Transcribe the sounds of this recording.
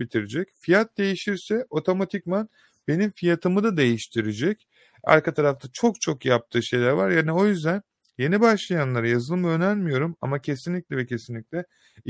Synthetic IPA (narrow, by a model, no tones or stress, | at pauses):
bit̪ʰiɾid͡ʒɛcfijat̪̚d̪e̞jiʃiɾsɛo̞t̪ʰo̞mat̪ʰicman | be̞nimfijat̪ʰɯmɯd̪ad̪e̞jiʃt̪ʰiɾid͡ʒɛc | a̰ɾkʰat̪ʰaɾaft̪ʰat͡ʃʰo̞k̚t͡ʃʰo̞kjap̚t̪ʰɯːʃe̞jlʲæɾvaɾjaːnio̞jyzd̪æn | je̞nibaʃlˠajanlˠaɾajazɯlˠɯmɯø̞næɾmijo̞ɾumamacʰe̞sinlʲic̚ʲlʲɛvɛcʰesinlʲic̚ʲlʲɛ